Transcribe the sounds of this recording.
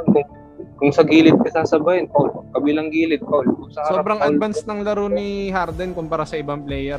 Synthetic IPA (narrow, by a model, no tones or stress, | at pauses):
kʊŋ | kʊŋsɐɡiːlɪt̪̚kɪsaːsɐbajɛnpɐʊlkɐbiːlɐŋɡiːlɪt̪̚pɐʊlkʊŋsɐsobɾɐŋɐdvansnɐŋlɐɾoniɦaɾd̪ɛnkʊmpɐɾasɐʔɪbɐŋplɛjɛɾ